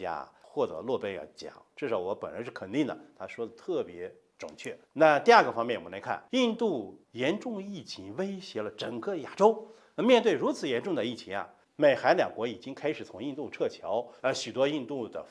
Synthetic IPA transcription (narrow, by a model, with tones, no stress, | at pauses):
ja̰˧˥xwɔ˥˩t̪ɤ̰˧˥lwɔ˥˧pjɛ˥njɑ̰˧˩t͡ɕjɑ̰˨˩˦ŋʈ͡ʂ̩˥˩ʂɑ˧˩ʊwɔ˧˥pə˨˩nɻə̰˧˥ʂɻ̩˥˩kʰə˨˩nt̪i˥˩ŋd̪ə̰˨˩t̪ʰa˥ʂwɔ˥d̪ə˨t̪ʰɤ˥˩pjɛ˧˥ | ʈ͡ʂʊ̰˨˩ŋt͡ɕʰɥɛ˥˩na˥˧t̪i˥˧a˥˩ɡə˩fɑ˥ŋmɛ˥˩nwɔ˨˩la˧˥ɪkʰa̰˥˩ni˥˧nt̪u˥˩jɛ˧˥nʈ͡ʂʊ˥˧ŋi˥˩t͡ɕʰi˧˥ŋwe˥ɪɕjɛ˧˥lə˧ʈ͡ʂə˨˩ŋkɤ˥˩ja˨˩ʈ͡ʂo˥ʊ˧ | mjɛ˥˧nt̪we˥˩ɪɻu˧˥t͡sʰɹ̩˨˩jɛ˧˥nʈ͡ʂʊ˥˩ŋd̪ə˩i˥˩t͡ɕʰi˧˥ɐ̰˧˩ | me˨˩ɪxa˧˥ɪljɑ̰˨˩ŋkwɔ˧˥i˨˩t͡ɕi˥ŋkʰa˥ɪʂɻ̩˨˩t͡sʰʊ˧˥ŋi˥˧t̪u˥˧ʈ͡ʂʰɤ˥˩t͡ɕʰjɑ˧˥ʊə˧ɕy˨˩t̪wɔ˥i˥˧nt̪u˥˩d̪ə̰˩